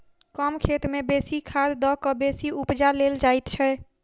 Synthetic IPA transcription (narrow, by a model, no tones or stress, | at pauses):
kɔmkʰet̪mebesikʰad̪d̪ɔkəbesiupd͡ʒaleld͡ʒajt̪t͡ʃʰɛ